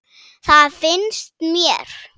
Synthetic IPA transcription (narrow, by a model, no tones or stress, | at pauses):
θaðfɪnst̪mjɛɾ̥